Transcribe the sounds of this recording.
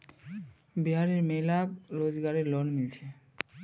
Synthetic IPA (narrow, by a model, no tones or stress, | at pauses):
biɦaɾeɾmejlakɾod͡ʑɡaɾeɾlɔnmilt͡ɕʰe